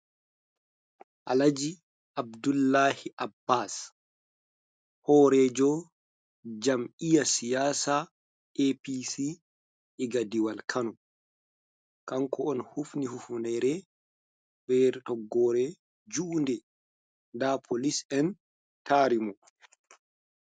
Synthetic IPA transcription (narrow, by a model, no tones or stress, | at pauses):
ʔalad͡ʒi | ʔab̚dulːahiʔabːas | hɔːɾɛd͡ʒɔ | d͡ʒamijasijaːsa | episi | ʔɛɡadiwalkʰanɔ | kaŋkɔɔnhufnihufunɛɾɛ | bɛɾtɔɡːɔːɾɛ | d͡ʒuʔndɛ | ndapʰolisɛn | taːɾimɔ